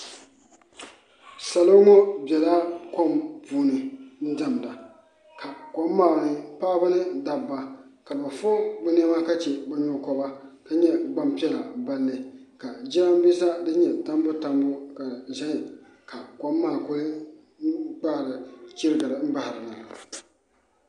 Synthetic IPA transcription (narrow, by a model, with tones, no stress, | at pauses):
sa˨lo˦ŋɔ˦bɛ˨la˦ko˦mpuː˦nɨ˨n̩˦da˨m˨da˨ | ka˨kɔ˦mː˦aː˦˨nɨ˨paː˦ba˦nɨ˦da˨bːa˨ka˨ba˨fo˦bɛ˦ne˦ma˦ka˦t͡ʃɛ˨bɛ˨ɲo˦kɔ˦ba˦ka˦ɲɛ˦ɡ͡ba˦mpɛ˦˨la˨ba˦lːɨ˨ka˨d͡ʒi˦a˦m˦bi˦sa˦dɨ˦ɲɛ˨ta˦m˦bʊ˦ta˦mbʊ˦ka˨za˦˨ | ka˨ko˨˦mːaː˨ko˦lɨ˦ | ɡ͡ba˦˨ɾɨ˨ki˦ɾɨ˦ɡa˨ɾɨ˨m̩˦ba˦hɾɨ˨na˨